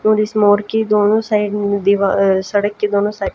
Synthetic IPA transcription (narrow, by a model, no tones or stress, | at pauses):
õːɾismoːɾkiːd̪oːnõːsaːiɖd̪iʋasəɽəkːiːd̪oːnõːsaː